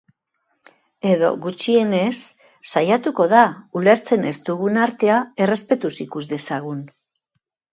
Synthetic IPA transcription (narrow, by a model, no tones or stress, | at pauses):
e̞ðo̞̰ɣut͡ʃie̞ne̞sː | ajat̪uko̞ðaule̞ɾt͡se̞nest̪uɣunaɾt̪e̞ae̞re̞spe̞t̪usikuzd̪e̞saɣ̞un